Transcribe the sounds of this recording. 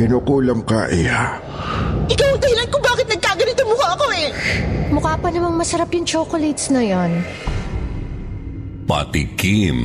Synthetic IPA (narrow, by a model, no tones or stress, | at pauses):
ɪnukuːlɐmka̰ʔɪa | ʔɪkawɪŋd̪ɐhɪlɐnkobaːkɪt̪nɐɡ̚kaːɡɐnit̪ʊmuːhɐʔɐko̞ɛmʊkaːpɐnɐmɐŋmɐsɐɾapjʊŋt͡ʃoːkolet̪snɐjon | pa̰t̪ḭkim